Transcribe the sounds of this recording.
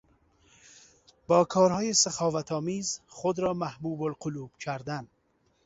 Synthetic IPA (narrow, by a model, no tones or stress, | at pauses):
bɔːkʰɔːɾhɔːjisaχɔːvat̪ʰɔːmizχʊd̪ɾɔːmahbuːbolqʰʊlub̥kʰæɾd̪an